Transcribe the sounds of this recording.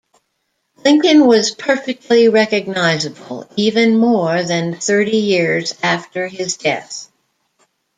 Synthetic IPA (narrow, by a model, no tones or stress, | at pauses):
lɪ̃ŋkɨ̃nwʌz̥pʰɜ˞fɨk̚tʰˡliɹɛkɨɡ̚naɪzɨbəl̩ˠivɨ̃nmɔɹðɨ̃nθɜ˞ɾijɪɹzæftə˞ɪzdɛ̰θ